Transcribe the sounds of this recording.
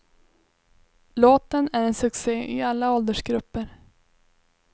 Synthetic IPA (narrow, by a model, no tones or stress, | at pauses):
loːt̪ənæɾɛnsɵkseːɪalːaɔld̪əʂɡɾɵpːəɾ